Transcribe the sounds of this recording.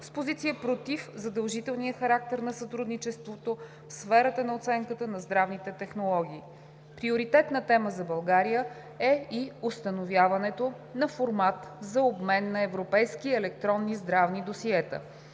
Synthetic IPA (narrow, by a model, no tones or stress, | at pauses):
spozit̪sijəpɾot̪ifzɐd̪ɐlˠʒit̪ɛlˠnijəxɐɾak̚t̪ɛɾnɐsɐt̪ɾud̪nit͡ʃɛst̪vot̪o | fsfɛɾət̪ənɐot̪sɛŋkət̪ənɐzd̪ɾavnit̪ɛt̪ɛxnolˠɔɡ̟ʲiː | pɾioɾit̪ɛt̪nət̪ɛməzɐbɐlˠɡaɾijə | ɛiost̪ənovʲjavɐnɛt̪o | nɐfoɾmat̪zɐobmɛnːɐɛvɾopɛjsk̟iɛlɛk̚t̪ɾɔnːizd̪ɾavnid̪osiɛt̪ə̰